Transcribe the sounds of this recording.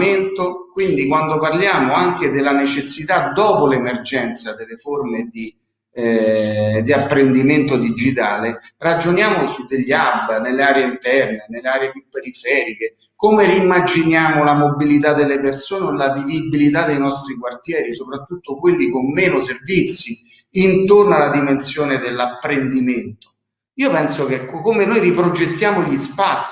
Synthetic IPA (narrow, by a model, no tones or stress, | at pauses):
ment̪okwind̪ikwand̪oparljaːmoaŋk̟ed̪elːanet͡ʃesːit̪ad̪ɔːpolemerd͡ʒɛnt̪sad̪elːeformed̪i | d̪iapːɾend̪iment̪od̪id͡ʒit̪aːlerad͡ʒonjaːmosud̪ːeʎːiabːnelːeaːɾeeint̪ɛrnenelːeaːɾeepjupːeɾifɛːɾike | komeɾiːmːad͡ʒinjaːmolamobilit̪̬ad̪ːelːepersoːneolavivibilit̪ad̪ːejnɔst̪ɾikwart̪jɛːɾisopɾat̪ːut̪ːokwelːikomːɛːnʊservit̪sːi | int̪ornoalad̪imensjoːned̪elːapːɾend̪iment̪o̥ | iːopɛnsokekːkːomenojɾipɾod͡ʒet̪ːjaːmoʎispat̪sː